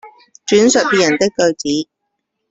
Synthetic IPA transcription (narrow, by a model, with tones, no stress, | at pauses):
t͡ʃyː˨˥nsœ˨t̚piː˨jɐ˨˩nt̪ɪ˥kːɵ˧ɥt͡siː˨˥